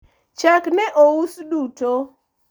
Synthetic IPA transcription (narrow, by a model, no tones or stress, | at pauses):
t͡ʃaknɛʔousduto